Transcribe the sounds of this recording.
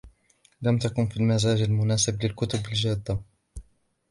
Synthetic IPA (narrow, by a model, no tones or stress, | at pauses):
lamt̪akʊnfiːlmazaːd͡ʒalmʊnaːsɪblɪlkʊt̪ʊbald͡ʒaːd̪ːa